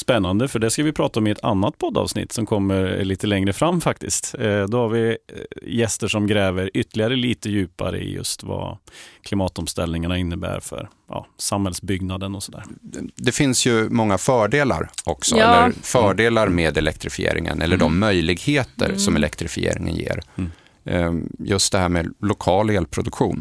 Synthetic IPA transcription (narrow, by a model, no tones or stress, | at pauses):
spɛnːand̪əfœɖɛskavɪpʰɾɑːt̪aɔmɪɛt̪ʰa̰nːat̪̚pʰɔd̪ːɑ̰ːvsnɪ̰t̪ːsɔmkʰɔmːəɾliːt̪əlɛŋɾəfɾamːfak̚t̪ɪst̪d̪ɔhaɾvɪ | jɛst̪əʂɔmɡɾɛːvəɾʏt̪ːəlɪaɾəliːt̪əjʉ̟ːpa̰ɾə̰ɪ̰jɵ̰st̪va̰kʰlɪmɑːt̪ɔmst̪ɛlnɪŋaɳaɪnːəbæ̰ːɾfœ̰ɾ | jʔɑ̰ːsamhɛlsbʏɡnad̪ənɔsɔd̪æːɾd̪ɛfɪnsjɵmɔŋːafœːɖeːla̰ɾɔksɔɛlːəɾfœːɖeːlaɾmeːd̪ɛlɛkt̪ɾɪfɪḛːɾɪŋə̰nʔɛlːəɖɔmːœjlɪɡheːt̪ə̰ɾsɔmɛlɛkt̪ɾɪfɪḛːɾɪŋə̰njḛːɾ | jɵst̪̚d̪ɛɦæːɾmeːlʊkʰɑːleːlpʰɾʊd̪ɵkɧṵːn